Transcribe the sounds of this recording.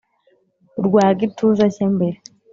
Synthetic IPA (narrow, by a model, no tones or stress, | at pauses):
ɾɡwaːɡitʰuːzacembeɾe